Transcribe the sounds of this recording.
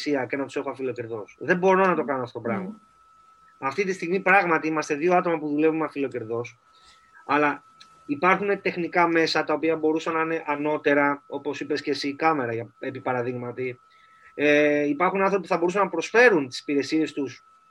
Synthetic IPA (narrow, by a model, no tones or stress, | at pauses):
siɐcenɐt̪u̥se̞xoɐfilo̞ce̞ɾðo̞sðe̞bo̞ɾo̞nɐt̪o̞kɐnoɐft̪ot̪pɾɐɣmɐ | ɐft̪it̪ist̪iɣmipɾɐɣmɐt̪iimɐst̪e̞ðio̞ɐt̪o̞mɐpuðule̞vumɐfilo̞ce̞ɾðo̞s | ɐlɐ | ipɐɾxune̞t̪e̞xnikɐme̞sɐt̪ɐopiɐbo̞ɾusɐnɐine̞ʔɐno̞t̪eɾɐo̞po̞sipe̞scesikɐme̞ɾɐʝɐepipɐɾɐðiɣmɐt̪i | eipɐɾxunɐnθɾopipuθɐbo̞ɾusɐnːɐpɾo̞sfe̞ɾunt̪i̥si̥piɾe̞sie̞st̪us